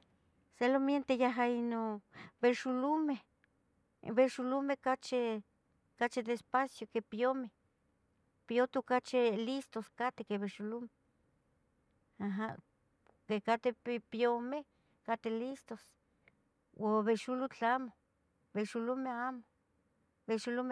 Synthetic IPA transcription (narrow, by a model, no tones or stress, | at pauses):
selomjent̪ejaɦainobeʃulume | βeʃulumekat͡ʃe | kat͡ʃid̪eːspasjokepiome | piot̪okat͡ʃelist̪oskat̪ekeβeʃulume | aɦa | kekat̪epjome | kat̪elist̪os | woβeʃulut͡ɬamo | beʃulumeamo̥ | beʃulume